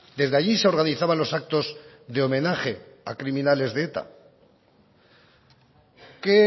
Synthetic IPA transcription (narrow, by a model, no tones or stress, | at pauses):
d̪e̞zðe̞aʝise̞o̞ɾɣaniθaβanlo̞sak̚t̪o̞z | ðe̞o̞mẽ̞naχe̞a̰kɾimĩnale̞zðeet̪a̰ | ke